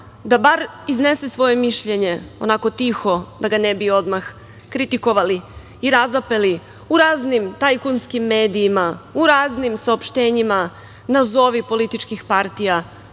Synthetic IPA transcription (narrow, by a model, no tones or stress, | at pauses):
d̪abaɾ | izne̞sesʋo̞je̞miʃʎe̞ɲe̞o̞̰nako̞t̪ixo̞d̪aɡanebio̞d̪max | kɾit̪iko̞ʋali | iɾazape̞li | uɾaːznimt̪ajkunskimːe̞ːd̪iːmauɾaːznimsaopʃt̪e̞ːɲima | nazo̞ʋipo̞lit̪it͡ʃkixpaɾt̪ija